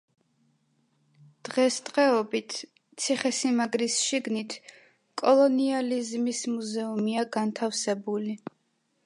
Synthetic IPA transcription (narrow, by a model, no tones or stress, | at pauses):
d̪̥ʁɛst̪ʼʁɛɔbit̪ʰ | t̪sʰiχɛsimaɡɾisʃiɡnit̪ʰ | kʼɔlˠɔnializmismuzɛumiaɡant̪ʰafsɛbuli